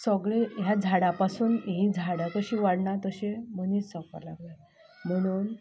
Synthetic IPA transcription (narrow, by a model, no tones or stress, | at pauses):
səɡɭejad͡zʱaɽapasuːnĩd͡zʱaɽat̪əɕiʋaɽɳat̪əɕẽm̤əniːt͡ssɔka̰la̰ɡla | m̤əɽ̃uːn